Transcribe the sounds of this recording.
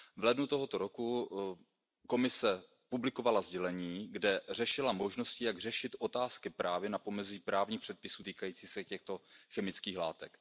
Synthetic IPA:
vlɛdnut̪oɦo̞t̪o̞ɾo̞ku | ko̞mɪsɛ | publɪko̞valazɟɛlɛɲiːɡdɛr̝ɛʃɪlamoʒnoscɪjaɡr̝ɛʃɪt̪ʔo̞t̪aːskɪpɾaːvjɛnapo̞mɛziːpɾaːvɲiːxpr̥ɛt̪̚pɪsuːt̪iːkajiːt͡siːsɛcɛxt̪oxɛmɪt͡skiːxla̰ːt̪ɛk

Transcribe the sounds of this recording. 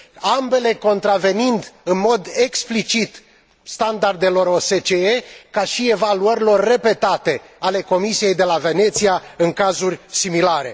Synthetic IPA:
ambe̞le̞ko̞nt̪ɾave̞nind̪ɨnmo̞d̪e̞ksplit͡ʃit̪ | st̪and̪ard̪e̞lo̞ɾo̞se̞t͡ʃeekaʃie̞valuəɾʲilo̞rʲːe̞pe̞t̪at̪e̞ | ale̞ko̞misije̞jd̪e̞lave̞ne̞t̪siaɨŋkazurʲsimilaɾe̞̰

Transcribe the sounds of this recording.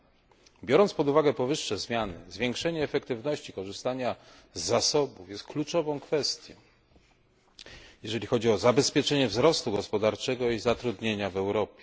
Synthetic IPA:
bʲjɔɾɔnt̪spɔd̪uvaɡɛpɔvɘʂːɛzmʲjanɘ̰zvʲjeŋkʂɛɲɛːfɛkt̪ɘvnɔɕt͡ɕikɔʐɘst̪aɲa | zːasɔbufjɛst̪̚klut͡ʂɔvɔ̃w̃kfɛst̪ʲjɔ̰ | jɛʐɛlʲixɔd͡ʑiɔzabɛspʲjɛt͡ʂɛɲɛvzɾɔst̪uɡɔspɔd̪aɾt͡ʂɛɡɔizat̪ɾud̪ɲeɲavɛwɾɔpʲjɛ

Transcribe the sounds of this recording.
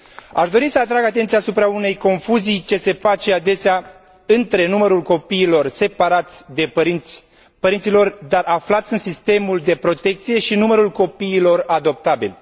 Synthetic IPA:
aʃd̪o̞ɾisəat̪ɾaɡat̪ent̪siaːsupɾaune̞jko̞nfuzijt͡ʃe̞se̞fat͡ʃe̞ad̪e̞sea | ɨnt̪ɾe̞numəɾulko̞piːlo̞rse̞paɾat̪sʲd̪e̞i | pəɾint̪silo̞rd̪araflat̪sʲɨnsist̪e̞muld̪e̞pɾo̞t̪e̞k̚t̪sije̞ʃinuməɾulko̞piːlo̞rad̪o̞p̚t̪abḭlʲ

